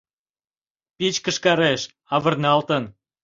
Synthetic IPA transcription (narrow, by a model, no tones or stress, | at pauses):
pit͡ɕkəʃkɑɾeʃ | ɑβə̆rnɑlt̪ən